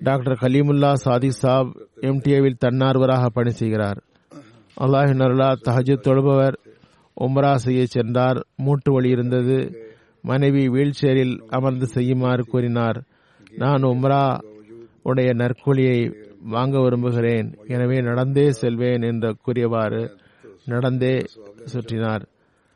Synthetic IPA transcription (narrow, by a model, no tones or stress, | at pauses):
ɖaːk̚ʈɐɾkɐliːmʊlːaːsaːðisaːbɛmʈiɐʋɪlt̪ɐnːaːɾɯʋɐɾaːɣɐpːɐɳisɛjɣɪɾaːɾ | ʔɐ̰lːaːɣɪnːɐɾɐlːaːt̪ɐɦɐd͡ʒɐt̪ːɔɻɯbɐʋɐɾ | ʔʊmɾaːsɛjːɐt͡ʃːɛndraːɾmuːʈːɯʋɐɭiɪɾɯnd̪ɐðɯ | mʔɐnɐɪʋiʋiːɭt͡ʃːɛjɐɾɪlɐmɐɾnd̪ɯsɛjːɯmaːɾɯkuːɾɪnaːɾ | naːnʊmɾaː | ʊɽɐjɐnɐɾkʊɭɪjɐɪʋaːŋɡɐʋɪɾɯmbɯɣɪɾeːnɛnɐʋeːnɐɽɐnd̪eːsɛlʋeːnɛndrɐkuːɾɪjɐʋaːɾɯ | nɐɽɐnd̪eːsʊʈrɪnaːɾ